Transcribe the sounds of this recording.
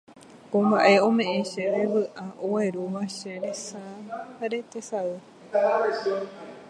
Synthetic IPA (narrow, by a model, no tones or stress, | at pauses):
kõmbaʔe̞õ̞mẽ̞ʔẽʃeɾeʋɨʔaʔowe̞ɾuʋaʃeɾesaɾe̞t̪e̞saɨ